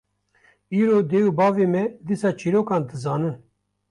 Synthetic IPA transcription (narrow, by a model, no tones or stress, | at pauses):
iːɾoːd̪eːubɑːveːmɛd̪iːsɑːt͡ʃʰiːɾoːkɑːnd̪ɨzɑːnɨn